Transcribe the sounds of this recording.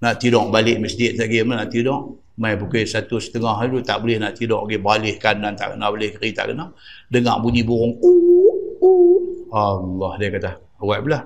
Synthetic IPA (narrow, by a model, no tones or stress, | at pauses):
naʔt̪idɔʔbalɪʔməsd͡ʒɪt̪̚saɡimənaʔt̪idɔʔ | majbukesat̪usə̥t̪əŋaɦilut̪a̰ʔbulɪhnaʔt̪idɔʔɡibalɪhkanːant̪a̰ʔɡənabalɪhkəɾit̪a̰ʔɡənadəŋa̰ʔbuɲibuɾʊŋu | ualːɔhdakat̪ah | waʔbəlah